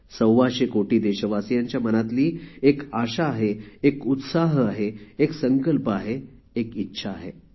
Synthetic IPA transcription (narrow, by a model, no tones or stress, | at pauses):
səwʋaɕekoʈiːd̪eɕəʋasjãɲt͡ɕjamənat̪liːekaɕaːɦeːkut̪saɦaɦeːksəŋkəlpəaɦeː | kitːɕʰaːɦe